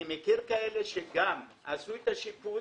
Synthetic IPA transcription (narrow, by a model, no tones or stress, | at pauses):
mekiɾkaeleʃeɡam | asujt̪aʃipu